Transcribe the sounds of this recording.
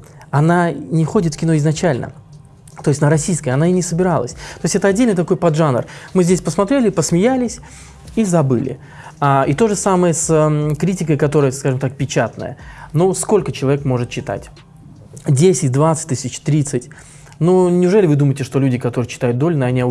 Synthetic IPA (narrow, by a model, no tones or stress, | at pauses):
ɐnanʲɪxo̞dʲɪt̪fkʲɪno̞ɪznɐt͡ɕælʲnə̰ | t̪o̞jɪsʲtʲnəɾɐsʲijskəjɐnaɪnʲɪsəbʲɪɾalˠə̰sʲt̪o̞ɪsʲɛt̪əɐdʲːelʲnɪt̪ɐko̞jpɐd̪ʐanərmɨzʲdʲesʲpəsmɐt̪ɾʲelʲɪpəsmʲɪjalʲɪsʲ | izɐbɨlʲʔɪ̰ | ait̪o̞ʐɨsaməjəsəkɾʲitʲɪkəjkɐt̪o̞ɾəjəskaʐɨmt̪ak̚pʲɪt͡ɕat̪nə̰jə̰nusko̞lʲkət͡ɕɪlˠɐvʲekmo̞ʐɨt̪t͡ɕːɪt̪a̰tʲ | dʲesʲɪt̚ʲd̪vat̪sɨ̥tʲt̪ɨsʲɪt͡ɕt̪ɾʲit̪sɨtʲ | nunʲɪʊʐɛlʲɪvɨd̪uməjɪtʲɪʂt̪o̞lʲudʲɪkɐt̪o̞ɾɨt͡ɕɪ̥t̪ajʊt̪̚d̪o̞lʲɪnəɐnʲiɐ